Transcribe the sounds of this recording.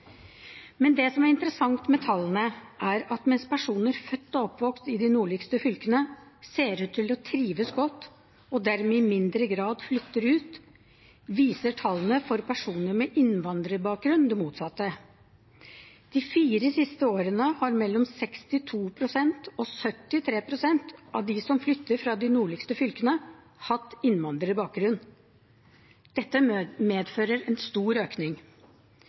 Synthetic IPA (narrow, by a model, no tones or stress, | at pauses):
mɛnd̪ɛsɔmæɾɪnt̪əɾəsɑŋt̪mɛt̪ʰɑlːənəʔæɾɑt̪mɛnspʰæʂuːnəɾfœt̪ːɔɔpːʋɔkst̪ɪd̪ɪnuːɭɪkst̪əfʏlkənəseːɾʉt̪ʰːɪlɔt̪ʰɾiːʋəsɡɔt̪ː | ɔd̪æɾmɛɪmɪnd̪ɾəɡɾɑːd̪flʏt̪ːəɾʉːt̪ | ʋiːsəʈʰɑlːn̩əfɔɾpʰæʂuːnəɾmɛʔɪnʋɑnd̪ɾəbɑːk̚ɡɾʉnd̪ɛmuːt̪sɑt̪ːə | d̪̥ɪfiːɾəsɪst̪əoːɾənəhɑɾmɛlːɔmsɛkst̪ɪt̪ʰuːpʰɾʊsɛnt̪ɔsœt̪ːɪt̪ʰɾeːpʰɾʊsɛnt̪ʔɑʋd̪ɪsɔmflʏt̪ːəɾfɾɑd̪ɪnuːɭɪkst̪əfʏlkənə | hɑt̪ːɪnʋɑnd̪ɾəɾɪbɑːk̚ɡɾʉn | d̪̥ɛt̪ːəmeːd̪føːɾəɾɛnst̪uːɾøːknɪŋ